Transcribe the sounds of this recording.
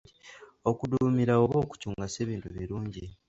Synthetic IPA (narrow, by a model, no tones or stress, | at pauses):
io̞kudumiɾaoβo̞ːku̥cuːŋɡase̞ːβiːntuβiɾuːɲɟi